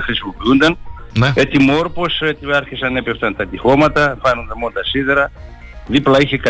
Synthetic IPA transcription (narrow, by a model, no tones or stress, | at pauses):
xɾispupiund̪ɐnnet̪imoɾposet̪iaɾçisɐnepeft̪ɐnt̪ɐt̪ixomɐt̪ɐfanond̪ɐmond̪ɐsiðeɾɐ | ðiplɐiçeka